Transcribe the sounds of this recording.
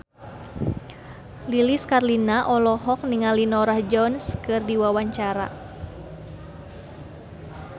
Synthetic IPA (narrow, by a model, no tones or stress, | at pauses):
liliskarlinaʔɔlɔɦɔk̚niŋalinɔɾahd͡ʒɔnskɨrdiwawaɲt͡ʃaɾa̰